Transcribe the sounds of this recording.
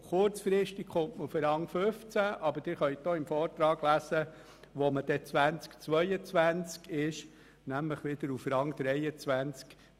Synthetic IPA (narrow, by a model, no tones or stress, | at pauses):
χʊɾt͡sfɾɪʃtikχʊntməufəɾɑŋføft͡sæʔɑbəd̥ɪɾχœʏt̚d̥̪oːɪmfɔːɾt̪ɾɑːɡ̥læːsə | ʋɔməd̥ɛt͡sʋænt͡skt͡sʋœjət͡sʋænt͡skɪʃ | næmləχʋɪd̪̥əɾufɾɑŋd̪̥ɾɛjət͡sʋænt͡sk